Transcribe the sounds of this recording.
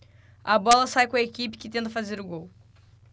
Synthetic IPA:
ɐbɔlɐsajkõɐekipɪ̥kɪt̪ẽnt̪̬ɐfazeɾʊɡow

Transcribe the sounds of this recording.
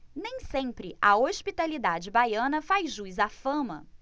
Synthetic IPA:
nẽj̃sẽpɾɪɐoʃpit̪alid̪ad͡ʒɪbajɐ̃nɐfajzʒujzafɐ̃mɐ̰

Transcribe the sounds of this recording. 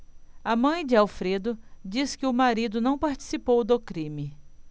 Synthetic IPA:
amɐ̃j̃d͡ʒɪawfɾed̪ʊd͡ʒiskɪʊmaɾid̪ʊnɐ̃w̃paɾt͡ʃi̥sipowd̪ʊkɾĩmɪ

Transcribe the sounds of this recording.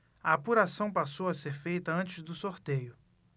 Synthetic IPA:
ɐapuɾasɐ̃w̃pasowɐseɾfejt̪ɐɐ̃nt͡ʃɪzd̪ʊsoɾt̪ejʊ

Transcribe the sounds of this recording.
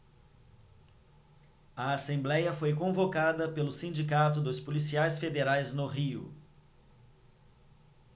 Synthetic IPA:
ɐasẽmblɛjɐfojkõvokad̪ɐpelʊsĩnd͡ʒikat̪ʊd̪ʊspolisiajsfed̪eɾajznʊɦiʊ̰

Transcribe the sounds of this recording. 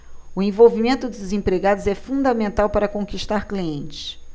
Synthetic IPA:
ʊẽj̃vowvimẽnt̪ʊd̪ʊɪzẽpɾeɡad̪ʊzɛfũnd̪ɐmẽnt̪awpaɾɐkõŋkiʃt̪aɾkliẽnt͡ʃɪ̥s

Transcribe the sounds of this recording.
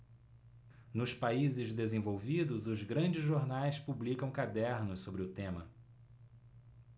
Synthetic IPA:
nʊspaizɪzd̪ezẽvowvid̪ʊzʊzɡɾɐ̃d͡ʒɪzʒoɾnajspublikɐ̃w̃kad̪ɛɾnʊssobɾɪʊt̪ẽmɐ̰

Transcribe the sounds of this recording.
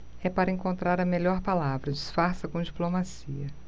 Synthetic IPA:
ɛpaɾɐẽŋkõnt̪ɾaɾɐmeʎɔɾpalavɾɐd͡ʒisfaɾsɐkõd͡ʒiplomasiɐ

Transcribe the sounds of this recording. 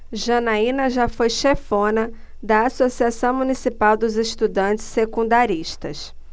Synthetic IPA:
ʒɐnaĩnɐʒafojʃefõnɐ | d̪ɐasosiasɐ̃w̃mũnisipawd̪ʊzeʃt̪ud̪ɐ̃nt͡ʃɪ̥ssekũnd̪aɾiʃt̪ɐʃ

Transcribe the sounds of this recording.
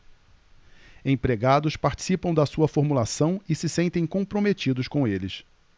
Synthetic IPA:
ẽj̃pɾeɡad̪ʊspaɾt͡ʃi̥sipɐ̃w̃d̪ɐsuɐfoɾmulasɐ̃w̃ɪsɪsẽnt̪ẽj̃kõpɾomet͡ʃid̪ʊskõw̃elɪs

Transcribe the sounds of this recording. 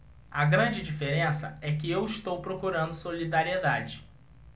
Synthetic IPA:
ɐɡɾɐ̃d͡ʒɪd͡ʒifeɾẽsɐɛkɪewɪʃt̪owpɾokuɾɐ̃nd̪ʊsolid̪aɾied̪ad͡ʒɪ

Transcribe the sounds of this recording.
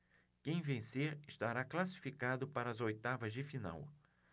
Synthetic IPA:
kẽj̃vẽseɾɪst̪aɾaklasi̥fikad̪ʊpaɾɐːzojt̪avɐzd͡ʒɪfina̰w

